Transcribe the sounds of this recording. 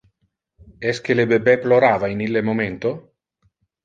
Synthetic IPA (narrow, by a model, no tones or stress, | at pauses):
ɛsk̟elebebɛploɾaːvainilːemoment̪o